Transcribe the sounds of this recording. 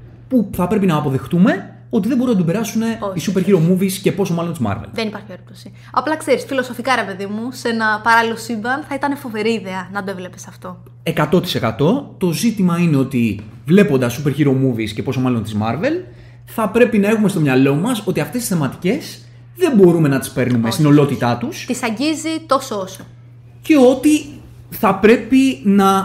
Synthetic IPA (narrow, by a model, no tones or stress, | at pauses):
puθɐpɾe̞pinɐːpo̞ðe̞xt̪ume̞ | o̞t̪iðe̞mbo̞ɾumnɐt̪obe̞ɾɐsune̞isupeçiɾo̞muvisce̞po̞somɐlo̞nt̪izmɐ̰ɾvḛlðenipɐɾçieɾip̚t̪osi | ɐplɐkse̞ɾisfilo̞so̞fikɐɾe̞pe̞ðimusenɐpɐɾɐlilo̞simbɐnθɐit̪ɐne̞fo̞ve̞ɾiːðe̞ɐnɐd̪oevle̞pesɐft̪o̞ | e̞kɐt̪o̞t̪ise̞kɐt̪o̞t̪o̞zit̪imɐineo̞t̪i | vle̞po̞nd̪ɐsupeɾçiɾo̞muvisce̞po̞so̞mɐlo̞nt̪izmɐɾve̞l | θɐpɾe̞pinɐexume̞st̪o̞mɲɐlo̞mɐso̞t̪iɐft̪est̪isθemɐt̪ice̞s | ðe̞mbo̞ɾume̞nɐt̪i̥spe̞ɾnume̞st̪ino̞lo̞t̪it̪ɐt̪ust̪isɐɲɟizit̪o̞sooso | ce̞o̞t̪i | θɐpɾe̞pinɐ